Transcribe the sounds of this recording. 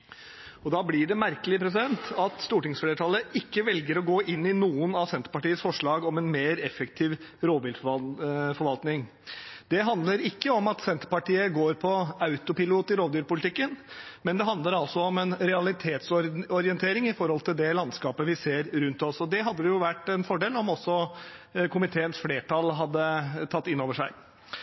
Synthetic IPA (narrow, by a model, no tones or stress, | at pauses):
ɔd̪ɑːblɪɖɛmæɾkəlɪpɾɛs̬ɪd̪ɛnt̪ɑt̪st̪uːʈɪŋsfleːɾət̪ʰɑːlːəʔɪkːəʋɛlɡəɾɔɡoːʔɪnːɪnuːənɑsɛnt̪əɾpɑʈiːəsfɔʂɭɑːɡɔmɛnmeːɾɛfəkt̪ʰɪːʋɾoːd̪ʋɪlffɔɾʋɑlt̪nɪŋ | d̪ɛɦɑnd̪ləɾɪkːəɔmɑt̪sɛnt̪əɾpɑʈiːəɡoːɾpʰɔɑʉt̪ʊpɪluːt̪ɪɾoːd̪yːɾpʊlɪt̪ʰɪkːənmɛnd̪ɛɦɑnd̪ləɾɑlsɔɔmɛnɾɛɑlɪt̪ʰeːt̪sɔɔɾɪɛnt̪ʰeːɾɪŋɪfɔɾhɔlt̪ɪld̪ɛlɑnskɑːpəʋɪseːɾɾʉnt̪ɔsɔd̪ɛɦɑd̪ːəd̪ɛjʊʋæʈːɛnfɔɖeːlɔmɔsːɔ | kʰʊmɪt̪ʰeːənsfleːʈʰɑlɦɑd̪ːət̪ʰɑt̪ːɪnːoːʋəʂæɪ